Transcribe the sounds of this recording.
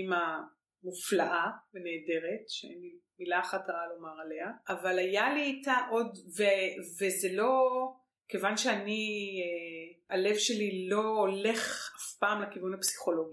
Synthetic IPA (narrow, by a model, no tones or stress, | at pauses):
ima | muflaʔaveneːde̞ʁetʃeḛnimilaχataʁalo̞maʁale̞aːvalajaliːtaʔo̞dvevezelo̞ | kevanʃeanieale̞vʃe̞lilo̞ːle̞χafpaːmlakivunhapsi̥χo̞lo̞ɡi